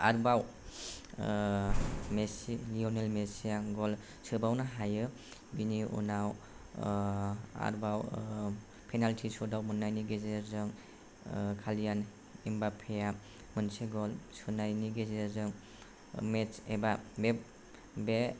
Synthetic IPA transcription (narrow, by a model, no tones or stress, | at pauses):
a̰ɾbaw | mesiliɔnelmesijaɡɔl | sɯbawnaɦajɯ | biniṵnaw | a̰ɾbaw | pʰejnaltʰisɔdawmɯnːajniɡezezɯŋ | kʰalijan | imbapʰeja | mɯnsiɡɔlsɯnajniɡezezɯŋ | met͡ʃebabe | be